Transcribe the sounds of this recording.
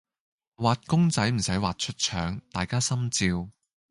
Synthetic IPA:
waː˨t̚kʊ˥ŋt͡sɐ˨˥jm̩˨˩sɐ˨˥jwaː˨t̚t͡ʃʰɵ˥t̚t͡ʃʰœː˨˥ŋt̪aː˨jkaː˥sɐ˥mt͡siː˧w

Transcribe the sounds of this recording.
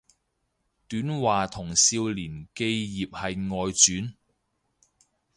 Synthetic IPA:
t̪yː˨˥nwaː˨t̪ʰʊ˨˩ŋsiː˧wliː˨˩nke˧jjiː˨p̚hɐ˨jŋɔː˨jt͡ʃyː˨˥n

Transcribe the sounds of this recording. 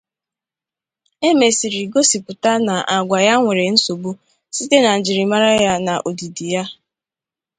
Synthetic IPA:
e˦me˨si˨ɾi˨ɡo˦si˨pʊ˨ta˦na˨ʔa˨ɡʷa˨ja˦ŋʷe˨ɾe˨n̩˦so˨bo˦ | si˦te˦na˨n̩˨d͡ʒi˨ɾi˨ma˦ɾa˦ja˦na˨ʔo˨di˨di˨ja˦

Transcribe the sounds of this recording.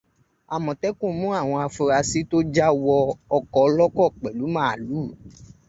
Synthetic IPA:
a˨mɔ̃˨tɛ˦kũ˦˨˦mũ˦a˦˨w̃ɔ̃˧a˧fu˧ɾa˧si˦to˦d͡ʒa˦wɔ˧ɔ˧kɔ˨˧˦lɔ˦kɔ˦˨k͡pɛ˨lu˨˦mãː˦˨luː˨˦˨

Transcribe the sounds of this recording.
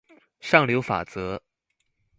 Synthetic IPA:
ʂɑ˥˩ŋljo˧˥ʊfa̰˨˩t͡sɤ˧˥

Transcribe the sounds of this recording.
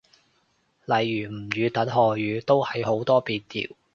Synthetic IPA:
lɐ˨˩jːyː˨˩m̩˨˩jyː˨˧t̪ɐ˨˥nɦɔː˨jyː˨˧t̪o˥whɐ˨jho˨˥wt̪ɔː˥piː˧t̚t̪ḭː˨˩w

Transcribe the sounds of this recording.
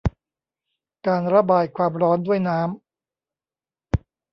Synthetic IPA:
kaː˧nɾa˧baː˨˧jkʰwaː˧mɾɔː˦˥ndu˥˩əjnaː˦˥m

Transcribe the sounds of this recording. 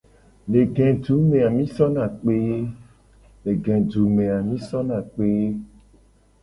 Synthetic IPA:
ne˨ɡɛ̃˨du˨˦mẽ˨a˨mĩ˦sɔ˦nã˨k͡pe˦ | ne˨ɡɛ̃˨ɖu˨me˨a˨mĩ˦sɔ˦nã˨k͡pe˦

